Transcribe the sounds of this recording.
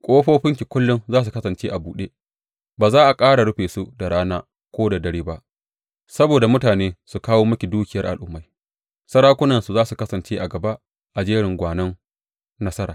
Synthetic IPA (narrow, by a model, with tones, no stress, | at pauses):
kʷʼoː˦ɸoː˦ɸɪ˦ŋkʲi˨kʷʊ˦lːʊ˦nzaː˦s̬u˨kɐ˦sɐ˨nt͡ʃeː˦ʔa˨buː˨ɗeː˦ | baː˨zaː˦ʔa˨kʼaː˦ɽa˨ɽʊ˦ɸeː˨su˦da˨ɽaː˦naː˦ | kʷoː˦da˨dɐ˨ɽiː˦ba˦ʔ | sɐ˦boː˨da˨mʊ˦taː˨neː˦su˨kaː˦woː˦mʊ˦kʲi˨duː˦kʲɪ˨jɐ˦rʔa˨lʔʊ˦mːa˨j | sɐ˦ɾaː˦kʷʊ˦nɐ˨nsu˨zaː˦su˨kɐ˦sɐ˨nt͡ʃeː˦ʔa˨ɡɐ˨ba˦ | ʔa˨d͡ʒeː˦ɽɪ˨ŋɡʷaː˨nɐ˦ŋ | nɐ˦sɐ˦ɾaː˨